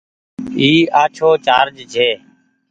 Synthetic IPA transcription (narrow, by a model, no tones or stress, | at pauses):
iːaːt͡ʃʰoːt͡ʃaːɾd͡ʒd͡ʒʱeː